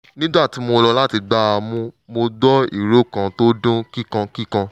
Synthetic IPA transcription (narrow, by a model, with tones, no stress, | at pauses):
nĩ˦da˦˨ti˨˦mo˧lɔ˧la˦ti˧ɡ͡ba˦a˧mũ˧mo˧dɔ˦ḭ˦˨ɾo˦˨kã˧to˦dũ˦ki˦kã˧ki˦kã˧